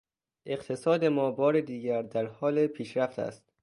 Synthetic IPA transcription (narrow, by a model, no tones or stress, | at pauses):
ʔe̞ɢt̪ʰe̞sɒːd̪e̞mɒːbɒːɾed̪iːɟæɾd̪æɾhɒːlepʰiːʃɾæft̪ʰæ̰st̪